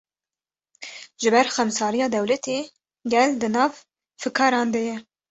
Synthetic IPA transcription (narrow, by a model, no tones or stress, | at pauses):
ʒɨbɛɾxɛmsɑːɾijɑːd̪ɛwlɛt̪ʰeː | ɡɛld̪ɨnɑːv | fɨkʰɑːɾɑːnd̪ɛjɛ